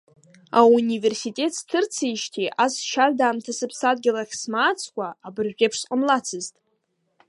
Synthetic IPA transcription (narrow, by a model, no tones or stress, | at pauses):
aunive̞rsitʼe̞tʰstʰɨrt͡sʰijʃtʰiʔasʃardaːmtʰasɨpʰsad̚ɡʲɪlaχʲsmaːt͡sʰkʷʼaabɨrʒʲᶣepʰʂqʼəmlat͡sʰɨztʼ